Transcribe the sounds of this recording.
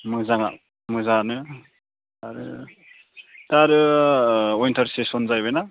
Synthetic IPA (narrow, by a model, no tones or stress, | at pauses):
mɯzaŋa̰ | mɯzanɯ | aɾɯ̰ | t̪aɾɯ | ointʰʌɾsesonzajbʌjna